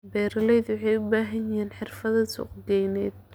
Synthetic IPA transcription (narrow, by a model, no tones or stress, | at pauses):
bɛːɾɐlɛjðwɑħɑjʊbaːɦɐnɪɦiːnħɪrfɐðɐsʊ̰qɡɛjnɛjd̪̚